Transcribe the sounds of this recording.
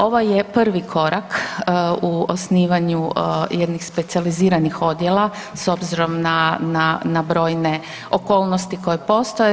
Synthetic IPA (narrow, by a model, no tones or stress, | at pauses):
o̞ʋojepr̩ʋikʰo̞ɾʔak | uo̰sniːʋaɲujed̪nixspe̞t̪sializiːɾanixo̞d̪jelˠa | so̞bziɾo̞mnananabɾo̞ːjne̞ | oko̞ːlˠnost̪iko̞jepo̞st̪oje